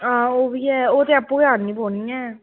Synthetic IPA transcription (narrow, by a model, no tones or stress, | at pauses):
ãːoːbiːɛːoːt̪eːəpːũːiaːnĩːpoːnĩːɛː